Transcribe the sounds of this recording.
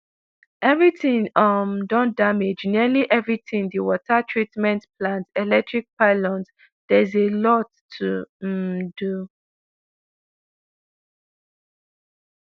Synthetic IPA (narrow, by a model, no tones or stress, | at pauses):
ʔɛvɹitĩŋʌmdɔ̃nd̥amed͡ʒniəliʔɛvɹitĩŋdiwɔtʰatʰɹitmɛ̃ntpʰlãntɛlɛk̚tɹik̚paɪlɔ̃nt | d̥ɛzelɔtʰː | u | du